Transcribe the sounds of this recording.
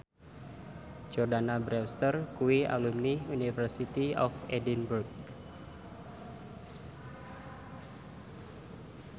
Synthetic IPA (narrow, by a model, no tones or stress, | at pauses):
d͡ʒɔrdanabɾɛwst̪ərkuiʔa̰lumniunifərsit̪iɔfɛdinburɡ̚